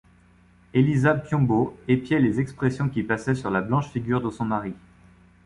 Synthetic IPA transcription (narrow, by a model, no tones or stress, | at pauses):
elizapjɔ̃boepjɛlezɛkspχesjɔ̃kʲipasɛsyʁlablɑ̃ʃfiɡʲyʁd̪əsɔ̃maʁi